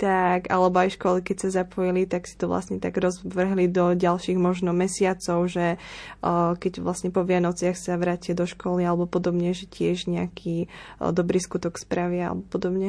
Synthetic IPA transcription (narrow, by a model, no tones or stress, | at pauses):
t̪aɡa̰lɛbɔajʃkɔlikɛcsazapɔjilit̪aksi̥t̪ɔʋla̰sɲɛt̪aɡɾɔzʋr̩ɦlid̪ɔɟalʃiːɣmɔʒnɔmɛsɪat͡sɔʊʒɛ | kɛɟʋlasɲɛpɔʋɪanɔt͡sɪaxsaʋɾacɪad̪ɔʃkɔlialɛbɔpɔd̪ɔbɲɛʒɛcɪɛʒɲɛakʰid̪ɔbɾiːskut̪ɔkspɾaʋɪaa̰lɛ̰bɔpɔd̪ɔbɲɛ